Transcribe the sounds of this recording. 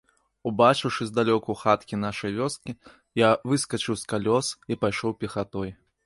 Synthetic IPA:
ubat͡ʂɨwʂɨzd̪alʲɔkɐwxat̪kʲin̪aʂɐjvʲɔskʲi | javɨskɐt͡ʂɨwskalʲɔsipajʂɔwpʲɛxat̪ɔj

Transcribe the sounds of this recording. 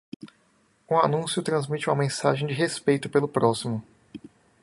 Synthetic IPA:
ũanũsjʊt̪ɾɐ̃zmit͡ʃɪũmɐmẽsaʒẽj̃d͡ʒɪɦespejt̪ʊpelʊpɾɔsimʊ

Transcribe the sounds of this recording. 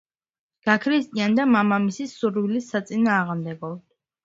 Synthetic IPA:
ɡ̥akʰɾist̪ʼiand̪amamamisisːuɾwilisːat̪sʼinaːʁmd̪ɛbɔ̥

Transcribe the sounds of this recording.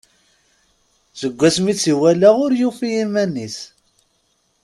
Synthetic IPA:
zəɡʷːæsmit͡sːiwælaʁʊɾjufijimænːis

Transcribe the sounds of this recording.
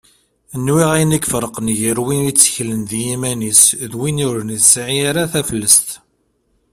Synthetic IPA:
nːwiʁæjnikːfəɾˤəqənʝəɾwinit͡sːə̥çlənðjimænisðwinʊɾənisʕiaɾaθæfəlːəst̪

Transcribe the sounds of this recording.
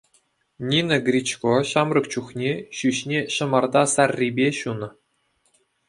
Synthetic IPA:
nʲinɤ̆ɡrʲit͡ɕkoɕɑmrɤ̆k̚t͡ɕuχnʲeɕyɕnʲeɕɤ̆mɑrd̪ɑsɑrʲːibʲeɕunɤ̆

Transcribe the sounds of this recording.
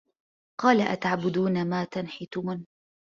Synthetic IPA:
qɑːlaʔa̰t̪aʕbʊd̪uːnamaːt̪anħɪt̪ʊmn

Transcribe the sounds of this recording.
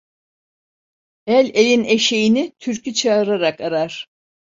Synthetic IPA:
ælʲelʲineʃejinit̪ʰyɾcyt͡ʃʰaɯɾaɾakaɾaɾ̥

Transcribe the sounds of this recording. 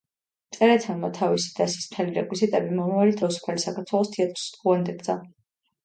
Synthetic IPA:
t̪sʼɛɾɛt̪ʰɛnmat̪ʰavisi̥d̪̥asi̥sm̥t̪ʰɛliɾɛkʼwizit̪ʼɛbimɔmavalit̪ʰavisu̥pʰalisakʰaɾt̪ʰwɛlˠɔst̪ʰiat̪ʼɾsd̪ʁuand̪ɛɡd̪za

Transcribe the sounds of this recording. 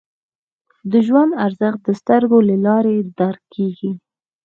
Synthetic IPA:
d̪əʒwand̪aɾzəxd̪əst̪əɾɡolalɑɾed̪aɾkːeɡi

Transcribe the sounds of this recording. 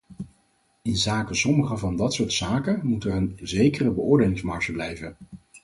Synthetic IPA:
ɪnzaːkəsɔməχəvɑndɑtsʊːɹtsaːkəmutərənzejkərəbəʊːɹdeːlɪŋzmɑɹʒəblɛjvən

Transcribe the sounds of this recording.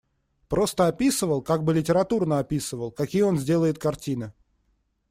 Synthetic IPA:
pɾo̞st̪əɐpʲisɨvəlˠkaɡ̚bɨlʲɪtʲɪɾɐt̪urnəɐpʲisɨvəlˠkɐkʲijəo̞nzʲdʲelˠəjɪt̪̚kɐrtʲinɨ

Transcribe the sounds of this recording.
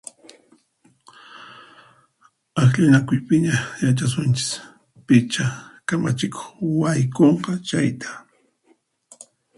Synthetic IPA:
axʎɪnakʊjpɪɲajat͡ʃas̬ʊnt͡ʃɪ̥s | pɪt͡ʃakama̰t͡ʃɪko̥χwajkoɴqɑt͡ʃajt̪ʰḁ

